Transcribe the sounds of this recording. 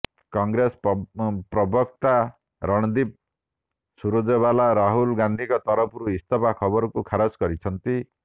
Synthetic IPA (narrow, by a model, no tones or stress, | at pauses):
kɔŋɡɾesppɾɔbɔk̚t̪a | ɾɔɽ̃ɔd̪ip̚ | suɾod͡ʒeβalaɾaɦulɡand̪ʱikɔt̪ɔɾɔpʰuɾuist̪ʰɔpakʰɔbɔɾɔkukʰaɾɔskɔɾit͡ʃʰɔnt̪i